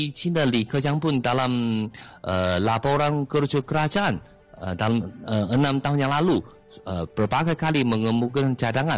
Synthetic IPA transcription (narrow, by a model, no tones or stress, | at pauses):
t͡ʃinalikəd͡ʒaŋpʊndalamʔə̰lapoɾankərd͡ʒakəɾad͡ʒaʔan̰ | dalaməənamt̪aɦʊnjaŋlalu | əpərpaɡajkaliməŋəmukant͡ʃadaŋa